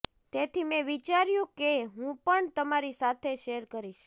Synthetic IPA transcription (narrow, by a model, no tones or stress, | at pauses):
t̪et̪ʰimẽʋit͡ʃaɾjũkeɦũpəɳt̪əmaɾisat̪ʰeʃeɾkəɾiʃ